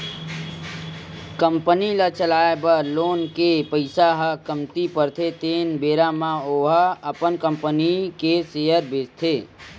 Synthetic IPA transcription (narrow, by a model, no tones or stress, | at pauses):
kəmpənilət͡ʃəlaːebəloːnkepəɪsaɦəkəmt̪ipəɾt̪ʰet̪enbeːɾamãoːɦəəpənkəmpənikesejəɾbest̪ʰe